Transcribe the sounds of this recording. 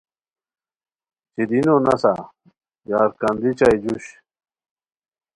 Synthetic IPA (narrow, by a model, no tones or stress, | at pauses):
t͡ɕid̪inonasa | jaːɾkɐnd̪it͡ɕajd͡ʑuɕ